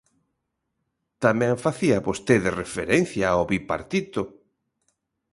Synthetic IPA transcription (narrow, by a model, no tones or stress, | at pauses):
t̪amɛ̃ŋfaθiaβost̪eðerefeɾẽn̟θjaoβipa̰ɾt̪it̪ʊ